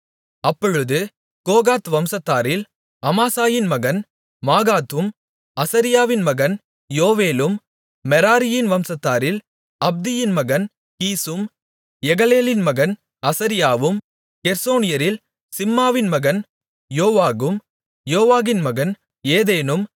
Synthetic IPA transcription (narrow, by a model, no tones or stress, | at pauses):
ɐpːɔɻɯðɯ | koːɣaːt̪ʋɐmsɐt̪ːaːɾɪl | ɐmaːsaːjɪnmɐɣɐn | maːɣaːt̪ɯm | ɐsɐɾɪjaːʋɪnmɐɣɐn | joːʋeːlɯmː | ɛɾaːɾɪjɪnʋɐmsɐt̪ːaːɾɪl | ɐb̚d̪ɪjɪnmɐɣɐn | kiːsɯm | jɛɣɐleːlɪnmɐɣɐn | ɐsɐɾɪjaːʋɯm | kɛɾsoːnɪjɐɾɪl | sɪmːaːʋɪnmɐɣɐn | joːʋaːɣɯm | joːʋaːɣɪnmɐɣɐn | eːðeːnɯm